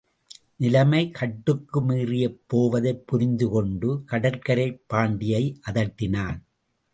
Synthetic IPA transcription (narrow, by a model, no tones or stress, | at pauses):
nɪlɐmɐɪkɐʈːɯkːɯmiːrɪjɐpːoːʋɐðɐɪpːʊɾɪnd̪ɯkɔɳɖɯkɐɽɐɾkɐɾɐɪpːaːɳɖɪjɐɪʔɐðɐʈːɪnaːn